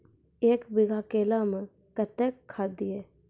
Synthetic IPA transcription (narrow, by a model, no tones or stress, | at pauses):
eːkbɪɡʱaːkeːlamə | kət̪ekʰːaːd̪ieː